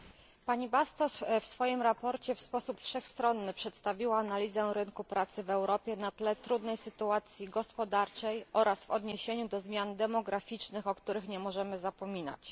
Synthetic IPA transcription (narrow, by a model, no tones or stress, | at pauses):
paɲibast̪ɔsfsfɔjimɾapɔɾt͡ɕɛfspɔsupfʂɛxst̪ɾɔnːɘpʂɛt̪st̪avʲiwaːnalʲizɛ̃ɾɘnkupɾat̪sɘvɛwɾɔpʲjɛnat̪lɛt̪ɾud̪nɛjsɘt̪uat̪sʲjiɡɔspɔd̪aɾt͡ʂɛjʔɔɾʔasvɔ̰d̪ɲeɕeɲud̪ɔzmʲjand̪ɛmɔɡɾafʲit͡ʂnɘxɔkt̪uɾɘxɲɛmɔʐɛmɘzapɔmʲina̰t͡ɕ